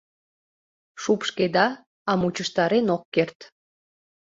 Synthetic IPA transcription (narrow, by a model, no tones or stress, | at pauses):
ʃupʃked̪ɑ | ɑmut͡ɕəʃt̪ɑɾenokːert̪